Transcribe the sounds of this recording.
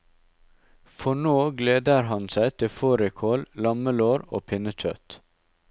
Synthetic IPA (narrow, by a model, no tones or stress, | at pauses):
fɔɳoːɡleːd̪əɾhɑnsæɪt̪ʰɪfoːɾɪkʰoːllɑməloːɾo̰ːpʰɪnəc͡çœ̰t̪